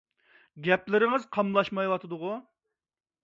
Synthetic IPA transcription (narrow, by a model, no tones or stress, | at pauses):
ɡʲɛplɪɾɪŋɨzqʰɑmlˠɑʃmɑjwɑt̪ʰɨd̪ʊʁʊ